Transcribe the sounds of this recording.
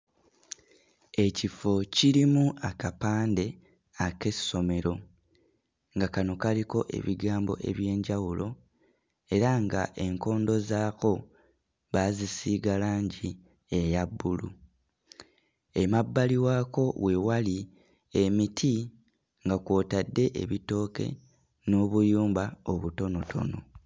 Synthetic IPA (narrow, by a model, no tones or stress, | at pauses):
e̞cifociɾimuʔakapaːnde̞ | ake̞so̞me̞ɾo̞ | ŋɡakano̞kaliko̞ʔe̞̰βiɡaːmbo̞̰ʔe̞̰βje̞ːɲɟawulo̞ | e̞ɾaŋɡa̰ʔe̞ŋko̞ːndo̞zaːko̞ | βazisiːɡalaːɲɟi | e̞jabːulu | emabːaliwaːko̞we̞wali | emitʰi | ŋɡakwo̞ːtadːe̞ʔḛβito̞ːke̞̰ | no̞ːβujuːmbao̞βuto̞no̞tʰo̞̰no̞